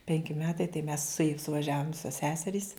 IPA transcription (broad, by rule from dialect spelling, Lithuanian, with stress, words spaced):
ˈpʲɛŋʲkʲɪ ˈmʲæːtɐɪ tɐɪ mʲɛs sʊˈeːj sʊʋɐˈʒʲæːʋʊm ˈʋʲɪsoːs ˈsʲæːsʲɛrʲiːs